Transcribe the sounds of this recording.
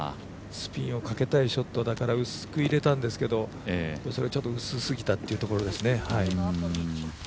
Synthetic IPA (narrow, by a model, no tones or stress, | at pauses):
sɨ̥pʲĩɰ̃o̞kake̞t̪aiɕo̞t̪ːod̪akaɾaɯ̟sɨ̥kɯ̟iɾe̞t̪ãnd̪e̞sɨ̥ked̪o̞ | eso̞ɾe̞t͡ɕo̞t̪ːoɯ̟sɨsɨɡʲit̪at̪ːe̞iɯ̟t̪o̞ko̞ɾo̞d̪e̞sɨne̞hai